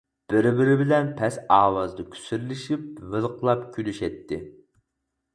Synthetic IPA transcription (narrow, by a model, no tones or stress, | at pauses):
b̥ɪɾbɪɾɪbɪlɛnpʰɛsɑːwɑzd̪ɑkʲʰy̥syɾlɪʃip̚vɨlqʰlˠɑpkʲʰylyʃɛt̪ʰːɪ